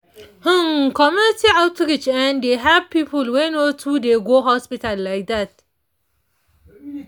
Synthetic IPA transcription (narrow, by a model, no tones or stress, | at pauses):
hũŋkɔmjunɪtiawtɾɪd͡ʒɛ̃ndeɦavpiːpəlwenotʰudeɡoɦɔspitalːajk̚d̪at̚